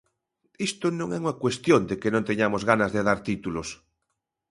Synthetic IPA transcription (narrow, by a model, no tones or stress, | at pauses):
ist̪onõŋɛuŋakwest̪jond̪ekenõnt̪eɲamozɣanazðeð̞aɾt̪it̪ulos